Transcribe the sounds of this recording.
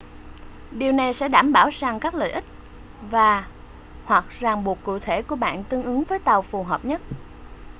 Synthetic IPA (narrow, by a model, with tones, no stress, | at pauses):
ɗi˨˩əwna˨˩jsɛ̰˧˥ɗaː˧˩mɓaː˧˩wzaː˨˩ŋkaː˦˥k̚lə̰ː˧˨jʔï˦˥k̟̚ | vaː˨˩ | hwa˨˩k̚zaː˨˩ŋɓu˨˩ək̚kːṵ˧˨t̪ʰe˧˩ku˧˩əɓa̰ː˧˨nt̪ɨ˧əŋʔɨ˨˦ŋvəː˨˦jt̪a˨˩wfu˨˩ɦəː˨˩p̚ɲə˦˥t̚